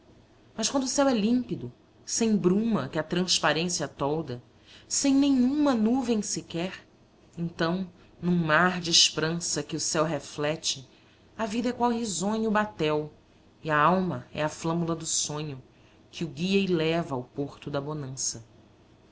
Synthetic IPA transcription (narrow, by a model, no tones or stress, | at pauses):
mɐʃkwɐ̃nd̪ʊsɛwɛlĩmpid̪ʊ | sẽj̃bɾũmɐkɪɐt̪ɾɐ̃spaɾẽsiɐt̪ɔwd̪ɐ | sẽj̃nẽj̃ũmɐnuvẽj̃sɪkɛɾ | ẽnt̪ɐ̃w̃ | nũmaɾd͡ʒɪʃpɾɐ̃sɐkɪʊsɛwɦeflɛt͡ʃɪ | ɐvid̪ɐɛkwawɦizõɲʊːbat̪ɛw | iɐawmɐɛ̰ɐflɐ̃mulɐd̪ʊsõɲʊ | kʰɪʊɡiɐɪlɛvɐawpoχt̪ʊd̪ɐbonɐ̃sɐ